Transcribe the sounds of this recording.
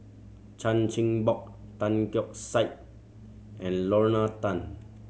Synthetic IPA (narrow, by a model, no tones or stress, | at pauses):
t͡ʃãnt͡ʃĩŋbɔk̚tãnkjɔk̚saɪt̚ | ʔɛ̃nlɔɹnatãn